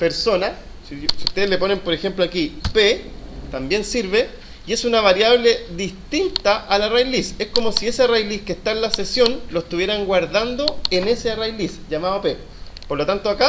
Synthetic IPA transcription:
pe̞ɾsona | ssiut̪e̞ðele̞po̞ne̞mpoɾexe̞mploakipet̪ambje̞nsiɾβe | ie̞sunaβaɾjaβle̞ðist̪int̪aʔːlarajlise̞hko̞mo̞sie̞searajliskest̪aenlasesjo̞nloest̪uβje̞ɾaŋɡwaɾðand̪o̞ene̞searajlisʝamaðope | poɾlot̪ant̪oaka

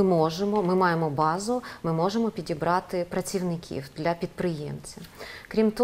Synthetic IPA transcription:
ɪmɔʒemɔmɪmɑjemɔbɑzʊmɪmɔʒemɔpʲidʲibɾɑt̪ɪpɾɐt͡sʲiwnɪkʲʰḭwd̪̥lʲɐpʲid̪̚pɾɪjḛmt͡sʲɐkɾʲimt̪ɔ

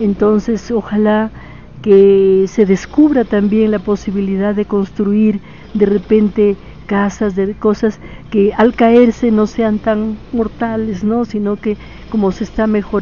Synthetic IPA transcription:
ent̪o̞nse̞so̞xala | kese̞ðe̞skuβɾat̪ambje̞ŋlapo̞siβiliðaððe̞ko̞nst̪ɾuiɾ | d̪e̞repe̞nt̪e̞ | kasazðeko̞saske̞alkae̞ɾse̞no̞se̞ant̪aŋmo̞ɾt̪alezno̞sino̞ke | ko̞mo̞sest̪ame̞xo

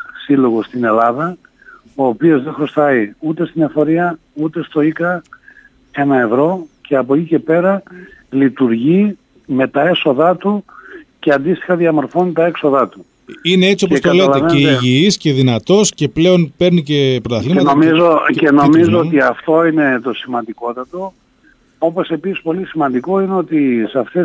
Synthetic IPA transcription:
silo̞ɣost̪ine̞lɐðɐ | o̞ːpio̞zðexɾost̪ɐiut̪e̞st̪inefo̞ɾiɐ | ut̪e̞st̪o̞ikɐ | e̞nɐe̞vɾo̞cʰe̞ɐpocice̞pe̞ɾɐlit̪uɾʝi | me̞t̪ɐe̞so̞ðɐt̪uceɐnd̪ist̪i̥xɐðiɐmo̞ɾfo̞nit̪ɐe̞kso̞ðɐt̪u | ineet͡siopoetk̪t̪oɐleleeeiʝiisce̞ðinɐt̪o̞sce̞ple̞o̞npeɾnicepɾot̪ɐθimeɐtnoizoeno̞mizoot̪iɐft̪o̞ine̞t̪o̞simɐnd̪iko̞t̪ɐt̪o̞ | o̞po̞se̞pisispo̞lisimɐnd̪iko̞ineo̞t̪isɐft̪e

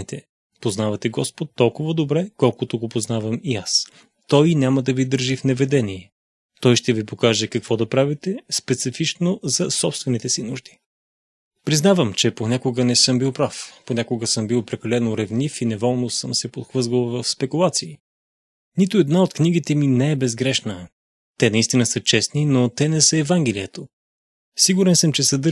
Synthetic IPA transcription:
it̪ɛ | poznavɐt̪ɛɡɔspot̪ːɔlˠkʊvəd̪obɾɛkɔlˠkʊt̪oɡopoznavəmias | t̪ɔjnʲaməd̪ɐvid̪ɤɾʒifnɛvɛd̪ɛniɛ | t̪ɔjʃt̪ɛvipokaʒɛkɐkv̥ɔd̪ɐpɾavit̪ɛspɛt̪sifit͡ʃnozɐsɔpst̪vɛnit̪ɛsinuʒd̪i̥ | pɾiznavəmt͡ʃɛponʲakʊɡənɛsɤmbilˠpɾafponʲakʊɡəsɤmbilˠpɾɛkɐlɛnoɾɛvnifinɛvɔlˠnosɤmsɛpot̪xvɤzvəlˠvəfspɛkulˠat̪siː | nit̪ʊɛd̪naot̪kniɡ̟it̪ɛminɛɛbɛzɡɾɛʃnə | t̪ɛnɐist̪inəsɤt͡ʃɛsninot̪ɛnɛsəɛvaŋɡɛlijət̪o | siɡuɾɛnsəmt͡ʃɛsəd̪ɤ

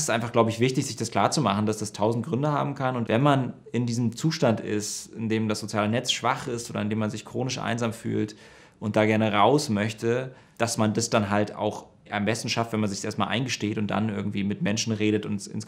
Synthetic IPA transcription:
sɪstʔaɪnfaχɡ̥laʊbəɪçv̥ɪçtɪçz̥ɪçd̥askl̥aːɐt͡sumaχn̩d̥asd̥astʰaʊzn̩t̚ɡ̥ʁʏndəha̰ːbm̩kʰanʊntvɛnman | ɪndiːzəm̩t͡suːʃtantɪ̰stɪndeːmdasz̥ot͡sjaːlənɛt͡sʃv̥aχɪstʔoːdɐɪndeːmanzɪçkʁ̥oːnɪʃʔa̰ɪnzaːmfy̰ːlt | ʔʊnt̚d̥aːɡɛɐnəʁaʊsmœçtə | d̥asmandasd̥anɦalta̰ʊx | ʔambɛstn̩ʃaftv̥ɛnmanzɪçsʔeːɐtmalʔa̰ɪnɡəʃteːtʊnt̚d̥a̰nʔɪɐɡŋ̩tv̥iːmɪtmɛnʃn̩ʁeːɾətʊnsɪ̰ns

